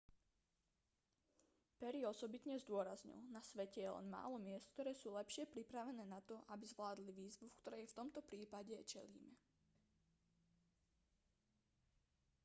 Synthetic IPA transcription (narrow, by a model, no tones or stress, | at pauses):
pɛɾiɔsɔbit̪ɲɛzd̪ʊɔɾazɲḭlnasʋɛcɛjɛlɛ̰nma̰ːlɔmɪɛst̪kt̪ɔɾɛːsuːlɛpʃɪɛpɾipɾaʋɛnɛːnat̪ɔʔabizʋlaːd̪liʋiːzʋufkt̪ɔɾɛft̪ɔmt̪ɔpɾiːpaɟɛt͡ʃɛ̰lḭːmɛ